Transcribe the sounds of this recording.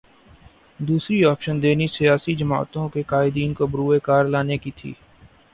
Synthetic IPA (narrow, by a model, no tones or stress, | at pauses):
d̪uːsɾiɔːpʃənd̪eːnisijaːsid͡ʒɐma̰ːt̪õkekaːɪd̪iːnkobɾuːekaːɾlaːnekit̪ʰḭː